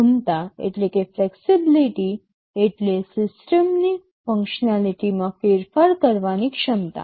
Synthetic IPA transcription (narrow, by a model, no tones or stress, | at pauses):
umt̪aḛʈlekefleksibiliʈi | eʈlesisʈəmni | fə̃ŋkɕnaliʈimafeɾfaɾkəɾʋañikʂəmt̪a̰